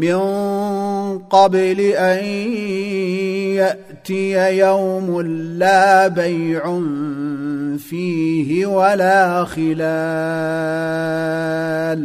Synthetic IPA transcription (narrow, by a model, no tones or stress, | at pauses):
mɪn | qɑblɪʔaj | jaʔ | t̪ɪjajawmʊlaːbajʕʊn | fiːɦɪwalaːxɪla | l